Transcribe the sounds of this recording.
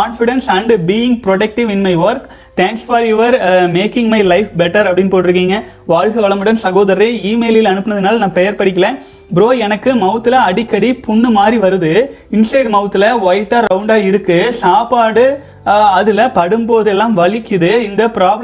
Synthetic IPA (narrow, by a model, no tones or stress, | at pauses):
kaːnfɪɽɐnsɐɳɖbiːɪŋɡ̚pɾɔʈɐk̚ʈɪʋɪnmɐɪʋɐɾk | t̪æ̃ːŋksfɐːɾjʊʋɐɾmeːkɪ̃ŋmɐɪlɐɪfbɛʈːɐɾɐpɐɽɪnːpoːʈːɪɾɯkːiːŋɡɐ | ʋaːɻɣɐʋɐɭɐmɯɽɐnsɐɣoːðɐɾɐɾɐɪiːmeːlɪlɐnɯpːɯnɐðɯnaːlɐnãːpɛjɐɾpɐɽɪk̬ːɐlẽː | bɪɾoːɛnɐkːɯmɐʊt̪ːɯlɐɐɽɪkːɐɽipʊnːɯmaːdɾiʋɐɾɯðɯɪnsɐɪɖmɐʋɯt̪ːɯlɐʋɐjɪʈːaːɾɐʊɳɖaːɪɾɯkːɯsaːpaːɽɯ | ɐðɯlɐpɐɽɯmboːðɛlːãːmʋɐɭɪkːɯðɯɪnd̪ɐpɪɾaːb